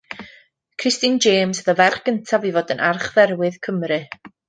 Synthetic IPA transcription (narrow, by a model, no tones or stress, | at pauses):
kʰr̥ɪstɨnd͡ʒeːmsəðəvɛrχɡ̥əntʰavivɔːdənʔarχðɛrwɨðkʰəmrɨ